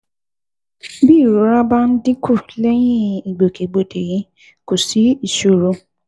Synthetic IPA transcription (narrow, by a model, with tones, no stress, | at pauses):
bi˦˨ɾo˨˦ɾa˦ba˦n̩˦dĩ˦ku˦˨lɛ˦j̃ĩ˦i˨ɡ͡bo˨ke˨ɡ͡bo˨de˨jĩ˨˦ | ko˨si˨˦i˦˨ʃu˨ɾo˨˧